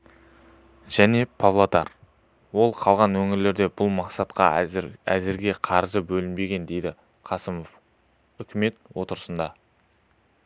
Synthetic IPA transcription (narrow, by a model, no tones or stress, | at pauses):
ʒ̥æne̞pʰavlˠot̪ɑ̰ɾ | wo̞lˠqʰɑlˠʁɑnwɵŋɪɾle̞ɾd̪e̞bʊlˠmɑqsɑt̪qɑ̰æzɪɾɡʲe̞qʰɑɾzəbɵlɪnbe̞ɡʲe̞nd̪e̞jd̪ɪ | qʰɑsəmof | ʏkʲʰɪme̞t̪wo̞t̪əɾəsənd̪ɑ